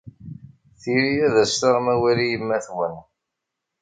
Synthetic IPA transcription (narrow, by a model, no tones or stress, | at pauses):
θiɾiæðæsθaʁmæwælijəmːæθwən